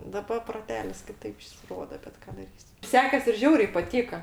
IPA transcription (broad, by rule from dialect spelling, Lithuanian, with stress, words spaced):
dɐˈbɐ proːˈtʲæːlʲɪs kʲɪˈtɐɪp ˈjɪs ˈroːdoː bʲɛt ˈkɑː dɐˈrʲiːsʲɪ ˈsʲæːkʲɛs ɪr ˈʒʲɛʊrʲɛɪ pɐˈtʲiːkɐ